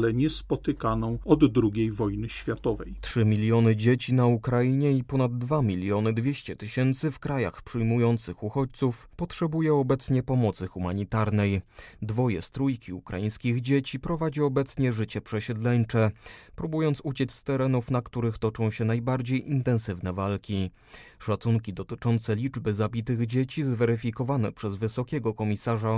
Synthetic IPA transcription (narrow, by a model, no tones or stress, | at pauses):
lɛɲɛspɔt̪ɘkanɔ̃w̃ɔd̪ːɾuɡʲejvɔjnɘɕfʲjat̪ɔvɛ̰jtʂɘmʲilʲjɔnɘd͡ʑet͡ɕinaukɾajiɲɛipɔnad̪̚ːvamʲilʲjɔnɘd̪vʲjeɕt͡ɕɛt̪ɘɕɛnt̪sɘfkɾaja̰xpʂɘjmujɔnt̪sɘxuxɔt͡ɕt̪suf | pɔtʂɛbujɛɔbɛt̪sɲɛpɔmɔt̪sɘxuma̰ɲit̪aɾnɛjd̪vɔjɛ̰st̪ɾujkʲʰiukɾa̰jij̃skʲiɣd͡ʑet͡ɕipɾɔvad͡ʑiɔbɛt̪sɲɛʐɘt͡ɕɛpʂɛɕɛd̪lɛɲt͡ʂɛpɾubujɔnt̪sut͡ɕɛt̪sʲst̪ɛɾɛnufn̪akt̪uɾɘxt̪ɔt͡ʂɔ̃w̃ɕɛnajbaɾd͡ʑejʔint̪ɛnsɘvnɛvalkʲi | ʂat̪suŋkʲid̪ɔt̪ɘt͡ʂɔnt̪sɛlʲid͡ʐbɘzabʲit̪ɘɣd͡ʑet͡ɕizvɛɾɘfʲikɔvanɛ̰pʂɛzvɘsɔkʲɛɡɔkɔmʲisaʐa